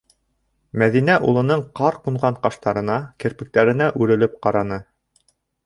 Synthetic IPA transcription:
mæðinæʔṵlˠɤ̆nɤɴqɑɾquɴʁɑɴqɑʃt̪ɑɾɤ̆nɑkɘ̆ɾpɘ̆k̚t̪æɾɘ̆næʔʉɾɘ̆lɘp̚qɑɾɑnɤ

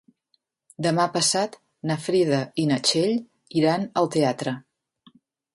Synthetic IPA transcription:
d̪əmapəsat̪ | nəfɾiðəinət͡ʃeʎ | iɾanəlˠt̪eat̪ɾə

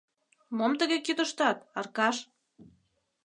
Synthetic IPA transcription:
momt̪əɣekyt̪ə̆ʃt̪ɑt̪ɑrkɑʃ

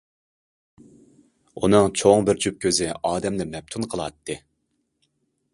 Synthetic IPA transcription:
unɨŋt͡ʃʰoŋbɪɾt͡ʃʰup̚kʲʰøzɪɑːd̪ɛmlɪmɛp̚t̪ʰunqʰəlˠɑ̰t̪ʰːɨ

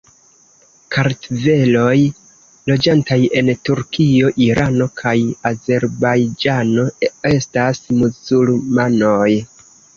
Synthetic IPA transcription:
kaɾtve̞lo̞j | lo̞d͡ʒantaje̞ntuɾkʰio̞ʔiɾano̞kʰajaze̞ɾbajd͡ʒano̞e̞stasmuzulmanoj

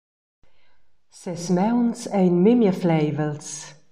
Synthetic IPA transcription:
sɛsmɛwnsɛjnmɪmjəflɛjvəls

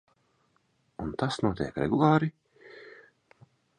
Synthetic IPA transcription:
unt̪asnuɔt̪ʲḭjkɾɛ̰ɡulˠɑːɾi

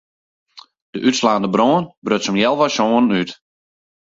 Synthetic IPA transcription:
d̥əʔytslaːndəbroːənbrøtsəmjɛlˠʋɔsoːənnyt

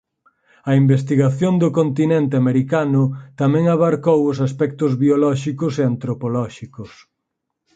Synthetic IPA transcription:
ɐimbest̪iɣaθjond̪ʊkont̪inent̪ɪameɾikanʊt̪amɛ̃ŋaβaɾkowʊsaspɛk̚t̪ʊzβiolɔʃikʊseant̪ɾopolɔʃikʊs

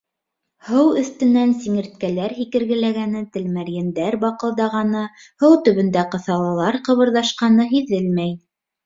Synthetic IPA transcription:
hɤwɵ̆θt̪ɘ̆nænsiŋɘ̆ɾt̪̚kælæɾɦikɘ̆ɾɡɘ̆læɡænɘt̪ɘ̆lmæɾjæ̆nd̪æɾbɑqɤ̆lˠd̪ɑʁɑnɤ | hɤwt̪ɵ̆βɵ̆nd̪æqɤ̆θɑlˠɑlˠɑɾqɤ̆βɤ̆ɾðɑʃqɑnɤɦiðɘlmæj

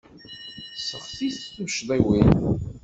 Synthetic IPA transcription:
səʁθiθθmʃd̪ˤiwin

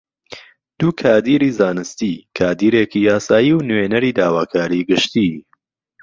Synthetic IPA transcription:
d̪̥uːkʰaːd̪iːɾiːzaːnɨst̪ikʰaːd̪iːɾeːkijaːsaːjiwnwenɐɾiːd̪aːwaːkʰaːɾiːɡɨʃt̪i

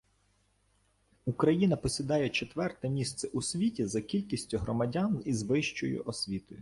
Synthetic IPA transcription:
ukɾɐjinɐpɔsʲid̪ɑjɛt͡ʃet̪ʋɛrt̪ɛmʲist̪sɛʔusʲʋʲitʲizɐkʲilʲkʲisʲtʲʊɦɾɔmɐdʲanizʋɪʃt͡ʃɔjʊ̰ʔɔsʲʋʲit̪ɔjʊ

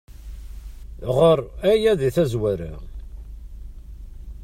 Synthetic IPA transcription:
ʁoɾˤæjæðiθæzwæɾa̰

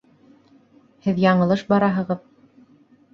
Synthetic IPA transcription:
hɘðjɑɴɤ̆lˠɤʃbɑɾɑɦɤ̆ʁɤð

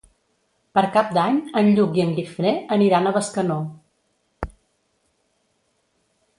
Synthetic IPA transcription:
pəɾkap̚d̪aɲənʎukiəŋlifneəniɾanəβəskəno

